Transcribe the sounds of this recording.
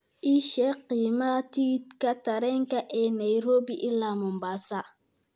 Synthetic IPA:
iʃɛqimatitkataɾɛŋkaʔɛnajɾobiʔilamombasa

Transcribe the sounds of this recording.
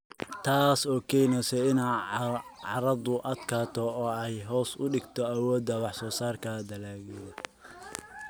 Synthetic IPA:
t̪ʰaːsɔːkʰɛjnɛsɛɪna | ʕɑɾɐd̪ʊʔɐd̪kʰaːt̪ʰɔɔːɛjɦɔːsʊɖɪɡt̪ʰɔɐwɔːd̪ɐwɑħsɔːsaːrkʰɐd̪ɐlaːɡɛðɔ

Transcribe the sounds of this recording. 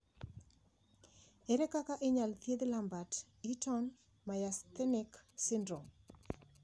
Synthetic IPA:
ɛɾɛkakaʔeɲalt̪jed̪lambat | itɔn | majast̪ɛnɪksɪndɾom

